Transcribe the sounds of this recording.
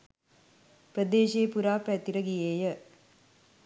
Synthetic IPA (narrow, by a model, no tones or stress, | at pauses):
prəd̪eːʃeːpuɾaːpæt̪iɾəɡijeːjə